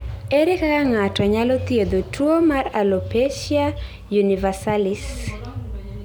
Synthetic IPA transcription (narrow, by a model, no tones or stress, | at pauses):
eɾekakaŋatɔɲalɔt̪ied̪otʰuomaralopeʃia | junivasalis